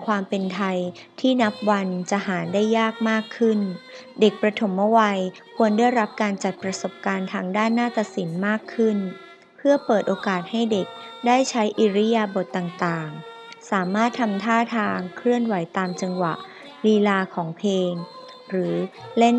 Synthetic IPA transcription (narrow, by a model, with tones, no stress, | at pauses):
kʰwaː˧mpe˧nt̪ʰa˧j | t̪ʰiː˥˩na˦˥p̚wa˧nt͡ɕa˨˩ʔhaː˩˦ndaː˥˩jːaː˥˩k̚maː˥˩kʰːɯ˥˩n | de˨˩k̚pɾa˧t̪ʰo˩˦mːɔ˥˩wa˧j | kʰu˧əndaː˥˩jɾa˦˥p̚kaː˧nt͡ɕa˨˩t̪̚pɾa˧so˨˩p̚kaː˧nt̪ʰaː˧ŋdaː˥˩nːaː˥˩t̪a˧si˩˦nmaː˥˩kʰːɯ˥˩n | pʰɯ˥˩əpɤː˨˩t̪̚ʔoː˧kaː˨˩t̪̚ha˥˩jde˨˩k̚daː˥˩jt͡ɕʰa˦˥jʔiː˧ɾi˦˥jaː˧bo˨˩t̪ːaː˨˩ŋt̪aː˨˩ŋ | saː˩˦maː˥˩t̪ʰːa˧mt̪ʰaː˥˩t̪ʰaː˧ŋkʰɾɯ˥˩ənwa˩˦jt̪aː˧mt͡ɕa˧ŋwa˨˩ʔ | liː˧laː˧kʰɔː˩˦ŋpʰeː˧ŋ | ɾɯː˩˦le˦˥˩